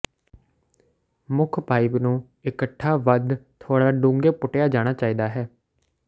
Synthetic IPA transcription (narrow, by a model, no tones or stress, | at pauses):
mʊkʰbaːiːbnũː | ɪkəʈʰːaːʋəd̪t̪ʰoːɽaːɖũːŋɡeːpʊʈejaːd͡ʒaːɽ̃aːt͡ʃaːiːd̪aːɦɛː